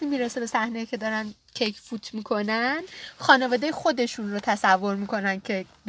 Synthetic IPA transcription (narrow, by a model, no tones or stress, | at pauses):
t̪iːmiːɾese̞besæhnejicʰe̞d̪ɒːɾæn | cʰejkʰfuːt̪ʰmiːkʰo̞nænxɒːne̞vɒːd̪ejexo̞d̪e̞ʃunrot̪ʰæsævːo̞ɾmikʰo̞næn̥cʰe̞b